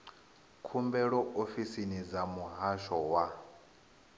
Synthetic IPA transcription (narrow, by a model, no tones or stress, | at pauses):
kʰumbɛɺɔʔofisinid͡zamuɦaʃɔwa